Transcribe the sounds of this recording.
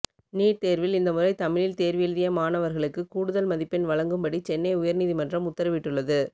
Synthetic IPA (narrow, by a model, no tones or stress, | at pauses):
niːʈt̪eːɾʋɪlɪnd̪ɐmɯrɐɪt̪ɐmɪɻɪlt̪eːɾʋiːlðɪjɐmaːnɐʋɐɾɣɐɭɯkːɯkuːɽɯðɐlmɐðɪpːɪnʋɐɭɐŋɡɯmbɐɽit͡ʃɛnːɐɪʊjɐɾniːðimɐndrɐmʊt̪ːɐɾɐʋɪʈːɯɭːɐðɯ